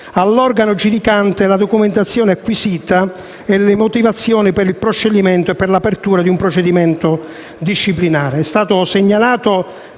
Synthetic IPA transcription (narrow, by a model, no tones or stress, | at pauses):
alːɔrɡanod͡ʒud̪ikant̪elad̪okument̪at̪sːjɔːneakːwisiːt̪a | ɛlɪmot̪ivat̪sːjɔːnipɪɾilpɾot͡ʃːed̪imɛnt̪oɛpːɪrlapert̪uːɾad̪iumpɾot͡ʃed̪imɛnt̪ʊ | d̪iʃːiplinaːɾeɛst̪aːt̪ʊseɲːalaːt̪o